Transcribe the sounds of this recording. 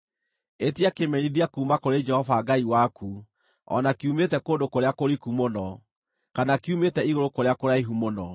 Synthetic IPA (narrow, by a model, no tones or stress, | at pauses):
etiakemeniðiakuːmakoɾed͡ʒɛhɔvaɡaiwaku | ɔ̰nakiumetɛkoːndokoɾeakoɾikumonɔ | kanakiumetɛiɣoɾokoɾeakoɾaiɦumonɔ